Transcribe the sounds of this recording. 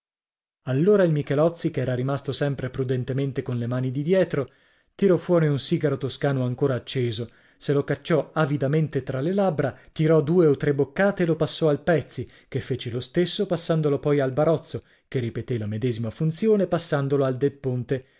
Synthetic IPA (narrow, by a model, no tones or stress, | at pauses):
alːoːɾailmikɛlɔt̪sːikeɛːɾaɾimast̪osɛmpɾepɾud̪ent̪ement̪ekonlemaːnid̪id̪jɛːt̪ɾo | t̪iɾɔfwɔːɾiunsiːɡaɾot̪oskaːnoaŋkoːɾaːt͡ʃːeːzo | selokat͡ʃːɔavid̪ament̪et̪ɾalelabːɾat̪iɾɔd̪uːeot̪ːɾebːokːaːt̪eːlopasːɔalpɛt̪sːi | kefːeːt͡ʃelost̪esːopasːand̪olopɔjalbaɾɔt̪sːo | kerːipet̪elamed̪ɛːzimafunt̪sjoːnepasːand̪oloald̪epːont̪e